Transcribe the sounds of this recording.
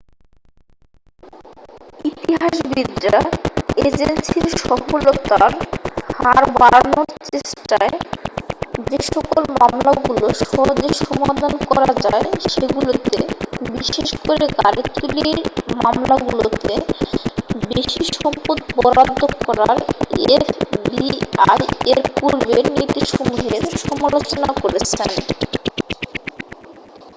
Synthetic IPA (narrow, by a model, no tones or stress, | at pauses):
it̪iɦaʃbid̪ɾaed͡ʑensiɾʃɔfolot̪aɾhaɾbaɾanoɾt͡ɕeʃʈae | d͡ʑeʃɔkolmamlaɡuloʃɔɦod͡ʑeʃɔmad̪ʱankɔɾad͡ʑaeʃeɡulot̪ḛbiʃeʃkoɾeɡaɾit̪uliiɾmamlaɡulot̪e | beʃiʃɔmpot̪bɔɾad̪ʱːokɔɾaɾefbiajeɾpuɾbeɾnit̪iʃomuɦeɾʃɔmalot͡ɕonakoɾet͡ɕʰen